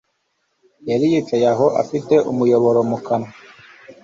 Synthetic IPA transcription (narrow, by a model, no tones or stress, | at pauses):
jaɾijit͡ʃajaɦoʔa̰fiteʔumujoβoɾomukana